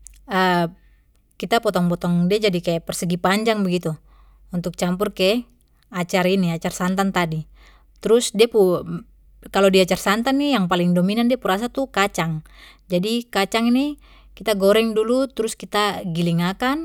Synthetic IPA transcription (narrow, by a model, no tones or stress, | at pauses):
ə | kit̪apɔt̪ɔŋpɔt̪ɔŋdiad͡ʒadikajaʔpɛrsəɡipaɲd͡ʒaŋbəɡit̪u | unt̪uk̚t͡ʃampurkɛ | at͡ʃaɾiniat͡ʃarsant̪ant̪adi | t̪ɾusdiapu | kalodiaːt͡ʃarsant̪anːijaŋpaliŋdominandiapuɾas̬at̪ukat͡ʃaŋd͡ʒadikat͡ʃaŋini | kit̪aɡɔɾɛŋdulut̪ɾuskit̪aɡiliŋakan